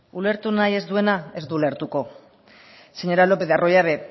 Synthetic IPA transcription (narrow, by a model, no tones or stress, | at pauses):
ule̞ɾt̪unaje̞zd̪ue̞nae̞zd̪uːle̞ɾt̪uko̞ | seɲo̞ɾalo̞pe̞ðearo̞jaβe